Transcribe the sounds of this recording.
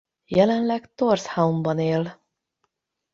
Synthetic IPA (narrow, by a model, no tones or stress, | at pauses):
jɛlɛnlɛkt̪orshaumbɒneːl